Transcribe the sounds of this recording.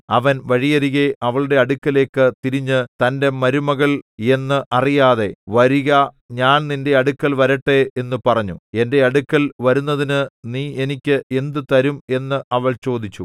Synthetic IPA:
ɐʋɐnʋɐɻijɐɾiɣeʔɐʋɐɭɽe̞ɐɽukːɐle̞ːkːɨt̪iɾiɲːɨt̪ɐnde̞mɐɾumɐɣɐɭe̞nːɨʔɐrijaːðe̞ʋɐɾiɣɐ | ɲaːnninde̞ɐɽukːɐlʋɐɾɐʈːe̞enːɨpɐrɐɲːue̞nde̞ɐɽukːɐlʋɐɾunːɐðinɨniːe̞nikʲːɨʔe̞nd̪ɨt̪ɐɾume̞nːɨʔɐʋɐɭt͡ɕo̞ːd̪it͡ɕːu

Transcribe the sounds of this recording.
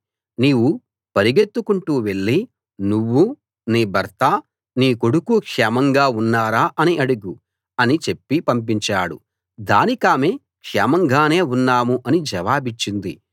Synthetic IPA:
niːwu | pɐɾiɡe̞t̪ːukuɳʈuːʋe̞ɭːi | nuʋːu | niːbʱɐɾt̪a | niːkoɽukukʂɛːmɐŋɡaːunːaːɾaːʔɐniʔɐɽuɡu | ɐnit͡ʃe̞pːipɐmp̬iɲt͡ʃaːɽṵ | d̪aːnikaːmeː | kʂɛːmɐŋɡaːne̞ːunːaːmuʔɐnid͡ʒɐʋaːbit͡ʃːind̪i

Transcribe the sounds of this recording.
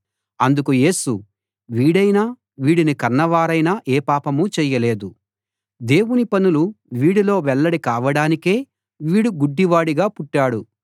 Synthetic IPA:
ɐnd̪ukuje̞ːsu | ʋiːɽɐjnaː | ʋiːɽinikɐɾnɐʋaːɾɐjnaʔeːpaːpɐmut͡ʃɛːjɐle̞ːd̪u | d̪e̞ːwunipɐnuluʋiːɽilo̞ːʋɛɭːɐɽikaːʋɐɽaːnike̞ː | ʋiːɽuɡuɖːiʋaːɽiɡaːpuʈːaːɽu

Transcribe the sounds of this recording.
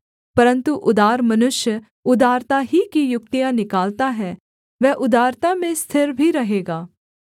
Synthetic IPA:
pɐɾə̃nt̪uʔʊd̪aːɾmɐnʊʃjə | ʊd̪aːɾt̪aɦikijʊk̚t̪ijãnɪkaːlt̪aɦɛ | ʋɛːʔʊd̪aːɾt̪amẽst̪ʰɪɾbʱiɾɐɦeːɡaː

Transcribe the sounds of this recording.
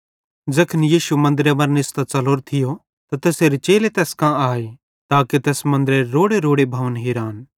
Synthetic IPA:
d͡zɐkʰənjiːʃumɐ̃nd̪ɾeʋɐɾnɪst̪at͡sɐloːɾt̪ʰɪjo | t̪at̪ɛːseːɾet͡ʃeːlet̪ɛːskãaːe | t̪aːket̪ɛːsmɐ̃nd̪ɾeɾoːɽeɾoːɽebʱɐʋənɦiːɾaːn

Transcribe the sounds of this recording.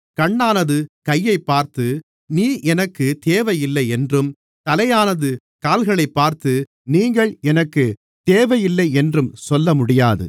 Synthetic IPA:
kɐɳːaːnɐðɯkɐjːɐɪpːaːɾt̪ɯ | niːʔɛnɐkːɯt̪eːʋɐjɪlːɐɪɛndrɯm | t̪ɐlɐjaːnɐðɯ | kaːlɣɐɭɐɪpːaːɾt̪ɯ | niːŋɡɐɭɛnɐkːɯ | t̪eːʋɐjɪlːɐɪɛndrɯmsɔlːɐmʊɽɪjaːðɯ̰

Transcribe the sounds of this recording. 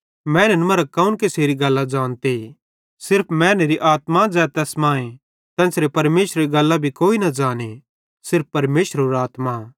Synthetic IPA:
mɛ̃ːnenmɐɾakaːunkeseːɾiɡɐlːad͡ʒaːnt̪e | sɪɾpʰmɛ̃ːneːɾiʔaːt̪mad͡ʒɛːt̪ɛːsmãːẽ | t̪ɛ̃ːsɾepɐɾmeːʃɾeɾiɡɐlːabʱikoːinɐd͡ʒaːne | sɪɾppɐɾmeːʃəɾoɾaːt̪ma

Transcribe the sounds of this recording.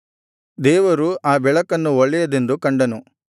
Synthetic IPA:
d̪ɛːʋɐɾuaːbɛɭɐkɐnːuɔɭːɛjɐd̪e̞nd̪ukɐɳɖɐnu

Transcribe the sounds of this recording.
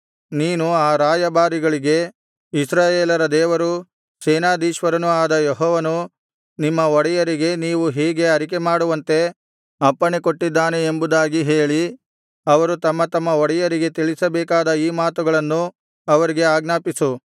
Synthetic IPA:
niːnuaːɾaːjɐbaːɾiɡɐɭiɡe̞ | isɾaːjeːlɐɾɐd̪ɛːʋɐɾu | sɛːnaːd̪iːʃʋɐɾɐnuaːd̪ɐjeɦɔːʋɐnu | nimːɐɔɽɛjɐɾiɡe̞niːʋuɦiːɡe̞ɐɾik̬e̞maːɽuʋɐnt̪e̞ | ɐpːɐɳekoʈːid̪ːaːneembud̪aːɡiɦe̞ːɭi | ɐʋɐɾut̪ɐmːɐt̪ɐmːɐɔɽɛjɐɾiɡe̞t̪iɭisɐbɛːkaːd̪ɐiːmaːt̪uɡɐɭɐnːu | ɐʋɐɾiɡe̞aːɡnaːpisu

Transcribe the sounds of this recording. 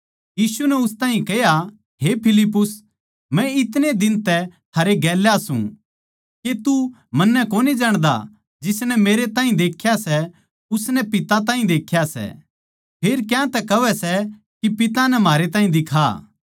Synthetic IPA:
jiːsunɛʊst̪aːɦĩkɛja | ɦepʰɪlɪpːʊs | mɛ̃ɪt̪ned̪ɪnt̪ɛt̪ʰaːɾeɡɛːljasṵ̃ | ket̪u | mɐnːɛkoːnid͡ʒaːɽ̃d̪a̰ | d͡ʒɪsnɛmeːɾet̪aːɦĩd̪eːkʰjasɛ | ʊsnɛpɪt̪at̪̬aːĩd̪eːkʰːjasɛ̰ | pʰeːɾkjãːt̪ɛkɐʋɛsɛ | kipɪt̪anɛmaːɾet̪aːɦĩd̪ɪkʰa̰

